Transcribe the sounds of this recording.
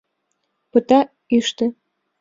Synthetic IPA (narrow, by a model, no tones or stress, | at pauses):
pə̆t̪ɑ | iʃt̪ɘ̆